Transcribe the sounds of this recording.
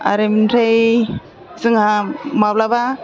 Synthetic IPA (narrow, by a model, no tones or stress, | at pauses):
a̰ɾemintʰaj | zɯŋamablaba